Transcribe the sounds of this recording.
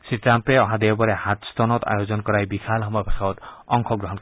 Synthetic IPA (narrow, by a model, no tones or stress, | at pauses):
sitɾampeɔɦãd̪ewbɔɾehat̪st̪ɔnɔt̪a̰jod͡ʒɔnkɔɾajbikʰalɦɔmɔjɔbʰʱasaɔt̪ɔŋkʰɔɡɾɔɦɔnk